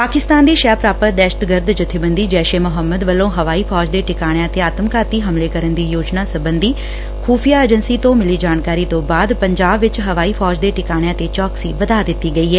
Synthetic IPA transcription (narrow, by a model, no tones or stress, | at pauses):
paːkɪst̪aːnd̪iːʃaːpɾaːpəɾd̪ɛːʃə̥t̪ɡəɾd̪d͡ʒʊt̪ʰːɪbənd̪iːd͡ʒɛːʃeːmʊɦəmːəd̪ʋəlõːɦəʋaːiːpʰɔːd͡ʒd̪eːʈɪkaːɽ̃jãːt̪eːaːt̪əmkaːt̪iːɦəmleːkəɾənd̪iːjoːd͡ʒnaːsəbənd̪iː | kʰuːpʰijaːeːd͡ʒənsiːt̪õːmɪliːd͡ʒaːnkaːɾiːt̪õːbaːd̪pəɲd͡ʒaːbʋɪt͡ʃɦəʋaːiːpʰɔːd͡ʒd̪eːʈɪkaːɽ̃jãːt̪eːt͡ʃɔːksiːʋəd̪aːd̪ɪt̪ːiːɡəiːɦɛː